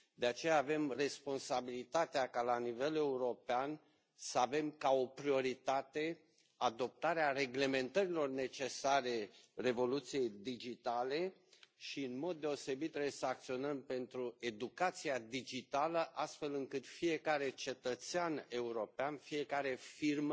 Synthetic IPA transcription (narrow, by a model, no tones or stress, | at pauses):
d̪e̞at͡ʃe̞jaːve̞mre̞spo̞nsabilit̪at̪eakalanive̞le̞uɾo̞pean | səave̞mkao̞pɾio̞ɾit̪at̪e̞ | ad̪o̞p̚t̪aɾeare̞ɡle̞me̞nt̪əɾilo̞rne̞t͡ʃe̞saɾe̞re̞vo̞lut̪sije̞jd̪id͡ʒit̪ale̞ʃiɨnmo̞d̪ːe̞o̞se̞bit̪ːɾebesəak̚t̪sio̞nəmpe̞nt̪ɾue̞d̪ukat̪siad̪id͡ʒit̪aləʔast̪fe̞lɨŋkɨt̪fije̞kaɾe̞t͡ʃe̞t̪ət̪seane̞uɾo̞peanfije̞kaɾe̞firm